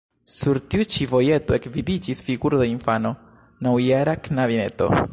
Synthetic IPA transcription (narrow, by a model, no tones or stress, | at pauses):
suɾtiut͡ʃivo̞je̞toe̞kvidid͡ʒisfiɡuɾodeinfano̞ | nawjaɾaknavine̞̰to̞̰